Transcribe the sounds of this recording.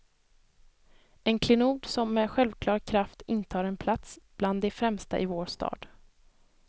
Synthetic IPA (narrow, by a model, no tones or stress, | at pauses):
ɛnkʰlɪnuːd̪sɔmːɛɧɛlvkʰlɑːɾkʰɾaft̪ɪnt̪ʰɑːɾɛnpʰlat̪sb̥land̪ːɛfɾɛmst̪a̰ʔɪvoːɾʂt̪ɑ̰ːd̪̥